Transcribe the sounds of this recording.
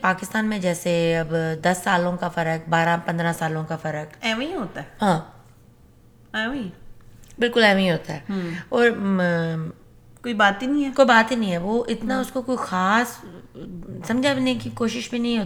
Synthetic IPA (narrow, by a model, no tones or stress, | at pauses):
paːkɪst̪aːnmẽd͡ʒɛːseɐbd̪ɐsːaːlõkafɐɾək̚baːɾãpɐ̃nd̪ɾãsaːlõkafɐɾəkɛːʋĩɦoːt̪aɛɦãː | ɛʋi | bɪlkʊlɛːʋĩɦoːt̪aɦɛːɔːɾ | koːibaːt̪inɐĩɛːkoːibaːt̪inəĩɦɛːʋoːʔɪt̪naʊskokoːixaːs | sɐ̃md͡ʒʱabnekikoːʃɪʃbʱinɐɦĩɦoːt̪ː